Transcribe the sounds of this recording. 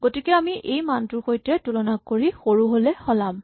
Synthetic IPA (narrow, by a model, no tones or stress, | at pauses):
ɡotikɛamiejmantʊɹxojtɛtulɔnakːoɹixoɹuɦolɛxɔlam